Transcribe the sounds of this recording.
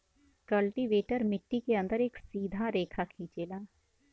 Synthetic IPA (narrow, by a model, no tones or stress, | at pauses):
kəlʈiʋeːʈəɾmɪʈːikeɐ̃nd̪əɾeːksiːd̪ʱaɾeːkʰakʰĩːt͡ʃeːlaː